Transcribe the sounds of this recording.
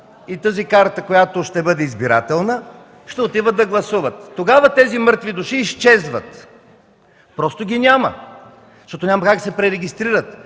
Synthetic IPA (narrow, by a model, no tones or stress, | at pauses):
it̪əzikaɾt̪əkojat̪oʃt̪ɛbɤd̪ɛizbiɾa̰t̪ɛlˠnə | ʃt̪ɛot̪ivət̪ːɐɡlˠɐsuvət̪ːoɡavət̪ɛzimɤɾt̪vid̪ʊʃiːst͡ʃɛzvə̰t̪ | pɾɔst̪oɡʲinʲamə̰ | ʃt̪ɔt̪onʲamɐkaksɛpɾɛɾɛɡʲist̪ɾiɾət̪